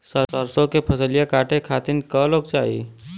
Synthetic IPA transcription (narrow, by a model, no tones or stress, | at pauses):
səsəɾsõkepʰəsəlijakaːʈʰekʰaːt̪ɪnkə̃loːɡt͡ʃaːḭ